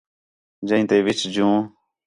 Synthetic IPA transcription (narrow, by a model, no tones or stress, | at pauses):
d͡ʒə̃ĩːt̪eːʋɪt͡ʃd͡ʒũː